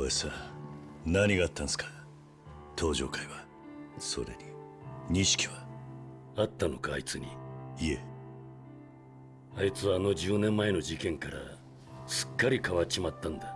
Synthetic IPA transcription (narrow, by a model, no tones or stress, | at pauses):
oesa | naɲiɡaːt̪ːãñsɨ̥kḁ | t̪ʰo̞ːʑo̞̰ːkaiβa | so̞̰ɾe̞̰ɲʲiɲ̟iɕi̥kʲiβa | at̪ːano̞ka̰ːit͡sɨɲ̟iie̞ | ait͡sɨβaːno̞d͡ʑɨːnẽ̞mːae̞no̞d͡ʑikẽ̞ŋkaɾa̰ | sɨ̥kːaɾʲikaβat͡ɕimat̪ːãnd̪a